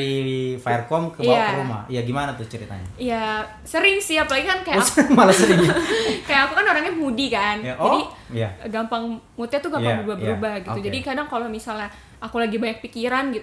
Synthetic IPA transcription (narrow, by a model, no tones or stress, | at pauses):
iifaərkɔmkəjaaɾuma̰jaɡimanat̪ut͡ʃəɾit̪a̰ɲa̰ija | səɾɪŋsihapalaɡikankajaasmalasəɾɪŋɲakajaʔakukanoɾaŋɲamudikanjd͡ʒadijaɡampaŋmut̪jat̪uɡamaŋbəɾubahbəɾubahɡitt̪ud͡ʒadikadaŋkalomisala | akulaɡibaɲak̚pikiɾanɡit̪u